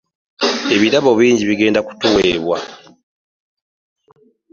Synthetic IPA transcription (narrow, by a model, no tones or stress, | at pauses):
e̞βiɾaβo̞βiːɲɟiβiɡe̞ːndaku̥tuweːβwa